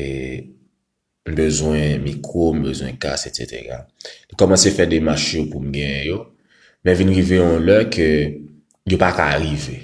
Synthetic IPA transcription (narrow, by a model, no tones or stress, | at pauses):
e | m̩bøzwɛ̃mikʁom̩bøzwɛ̰̃ka̰sesḛtḛɣa̰nikɔmɑ̃sefɛdemaʃjopum̩ɡɛ̃jɛ̃jo | mɛ̃vinɣiveɔ̃lœkʰø | jopakaɣive